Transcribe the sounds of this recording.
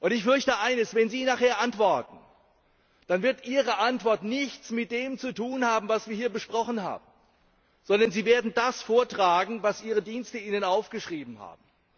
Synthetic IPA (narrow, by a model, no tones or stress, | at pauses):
ʔʊntɪçfʏɐçtəʔaɪnəsvɛnziːnaχheːɐʔantv̥ɔɐtn̩ | d̥anvɪɐtʔiːʁəʔantv̥ɔɐtnɪçt͡smɪt̚d̥eːmt͡sutuːnhaːbm̩vasv̥iːɐiːɐbəʃpʁ̥ɔχn̩ha̰ːbm̩ | z̥ɔndɐnziːveːɐdn̩dasfoːɐtʁ̥aːɡŋ̩vasʔiːʁ̞ədiːnstəiːnənaʊfɡ̥əʃʁ̥iːbm̩ha̰ːb̥̚m̩